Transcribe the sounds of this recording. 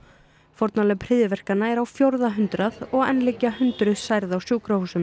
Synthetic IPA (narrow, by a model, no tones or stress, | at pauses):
fɔɾt̪nalɛpʰɾɪːðjɪvɛr̥kanːaɛɾawfjowɾðaɦʏnt̪ɾaðɔɣɛ̰nːlicaɦʏnt̪ɾʏsajɾðawsjuːkɾahuːsʏm